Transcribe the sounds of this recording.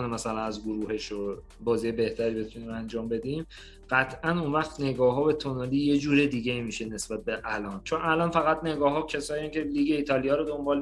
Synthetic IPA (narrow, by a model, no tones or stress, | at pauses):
nemæsælænæzɡoɾuːhe̞ʃo | bɒːziːjebe̞ht̪ʰæɾiːbe̞t̪ʰuniːmænd͡ʒɒːmbe̞d̪im | ɢ̥æt̪ʰʔænunvæχt̪ne̞ɡɒːɦɒːbet̪ʰonɒliːje̞d͡ʒuːɾed̪iːɟeiːmiːʃe̞ne̞sb̥æt̪̚beʔælɒːnt͡ʃʰonælɒːnfæɣæt̪ne̞ɡɒːɦɒːcʰesɒːiæŋcʲʰe̞liːɡe̞iːt̪ʰɒlijɒːɾod̪o̞mbɒːl